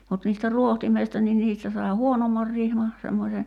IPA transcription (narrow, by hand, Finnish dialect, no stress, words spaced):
mut niːstæ ruohtimeistɑ ni niːstæ sɑi̞ huonomːɑr rihmɑ semːosʲe